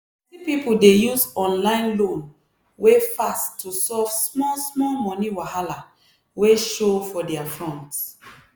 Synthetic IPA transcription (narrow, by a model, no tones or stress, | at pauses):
tipipuldejusɔ̃nlãɪ̃nlõn | wefastʰːusɔv̥smɔlsmɔlmɔ̃niwahala | weʃofɔdɛafɹɔ̃nt